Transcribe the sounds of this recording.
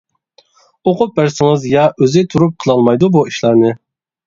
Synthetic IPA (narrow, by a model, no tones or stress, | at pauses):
oqʊp̚bæɾsɪŋɨzjɑʔøzɪt̪ʰuɾup̚qʰəlˠɑlˠmɑjd̪ubuiʃlæɾnɪ